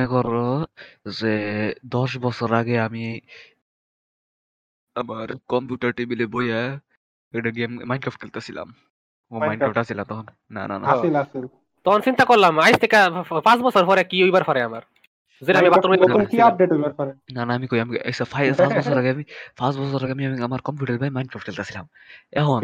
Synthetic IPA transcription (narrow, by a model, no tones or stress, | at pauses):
ɛkɔɾɔzed̪ɔs̬bɔsɔɾaɡɛami | əmaɾkɔmpjuʈaɾʈibileboja | ɛkɖaɡemmajnɖkɾafʈ̚kelt̪easila̰m | omajnɾafʈasilat̪ɔɦɔnːa̰na̰na̰asilasil | t̪ɔɔnsint̪akɔɾlamajst̪ʰekapãsbɔsɔɾfɔɾɛkiojbaɾfʰɔɾɛamaɾ | zeɾamibat̪ːɾmikiap̚ɖeʈojbaɾfʰɔɾɛnanaːmikojamiɐ̰jsapʰajpãsbɔsɔɾaɡeamipʰãsbɔsɔɾaɡeamiamiɐmaɾkɔmpjuːʈɐɾbajmajnɖkɾafʈ̚kelt̪asila̰m | eɦɔn